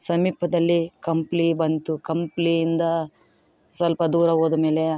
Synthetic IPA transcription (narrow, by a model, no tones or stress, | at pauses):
sɐmiːpɐd̪ɐlːikɐmpliːbɐnt̪ukɐmpliind̪ɐ | sɐlpɐd̪uːɾɐɦoːd̪ɐme̞ːle